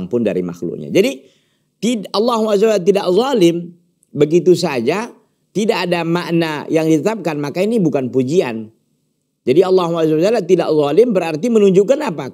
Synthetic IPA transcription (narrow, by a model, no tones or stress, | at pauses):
ŋpʊnda̰ɾḭma̰xlʊ̰k̚ɲa̰d͡ʒadi | t̪iɑlːɑɦuazawalt̪̬idaʔzˤɑlɪm | bəɡit̪usad͡ʒa | t̪idaʔːdamaʔnajaŋdit̪ət̪ap̚kanmakainibukanpud͡ʒia̰n | d͡ʒadiɑlːɑɦuazawad͡ʒalat̪ida̰ʔzˤɑlɪmbəɾart̪imənuɲd͡ʒukanapa